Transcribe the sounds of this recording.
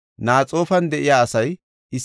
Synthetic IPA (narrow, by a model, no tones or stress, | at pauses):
naːt͡sʼo̞ːfɐnd̪ɛʔɪjaːɐsɐj | ɪs